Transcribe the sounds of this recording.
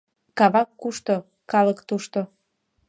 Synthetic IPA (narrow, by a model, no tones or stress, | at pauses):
kɑβɑkːuʃt̪o | kɑləkt̪uʃt̪o